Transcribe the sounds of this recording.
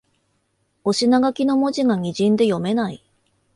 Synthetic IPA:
o̞ɕinaɡakʲino̞mo̞ʑiɡaɲ̟ʲiʑĩnd̪e̞jo̞me̞nai

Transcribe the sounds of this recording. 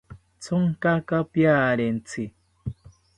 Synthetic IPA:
t͡sɔŋkakapjaɾen̩t͡si

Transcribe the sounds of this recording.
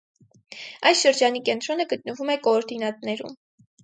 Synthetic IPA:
ɑjsʃəɾd͡ʒɑnikɛnt̪ɾɔnəɡət̪̚nəvumɛkɔːɾd̪inɑt̪nɛɾṵm

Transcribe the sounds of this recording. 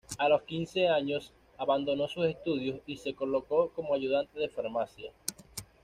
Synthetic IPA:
alo̞skinse̞aɲo̞s | aβand̪o̞no̞suse̞st̪uðjosise̞ko̞lo̞ko̞ko̞moaʝuðant̪e̞ðe̞faɾmasja

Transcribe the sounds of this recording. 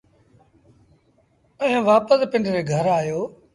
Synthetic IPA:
ə̃ɦẽːʋaːpəspɪ̃ɳɖɾeːɡʱəɾaːjoː

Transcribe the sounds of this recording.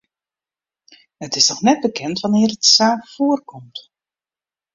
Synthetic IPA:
hətɪsnɔxnɛt̚bəkɛntʋanɪːrətsaːxfoərkɔmt

